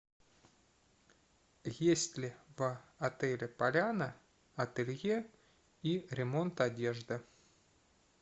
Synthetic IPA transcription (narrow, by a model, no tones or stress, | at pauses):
jesʲtʲlʲɪvɐt̪ɛlʲɪpɐlʲanə | ɐt̪ɨlʲje | iɾʲɪmo̞nt̪ɐdʲeʐd̪ɨ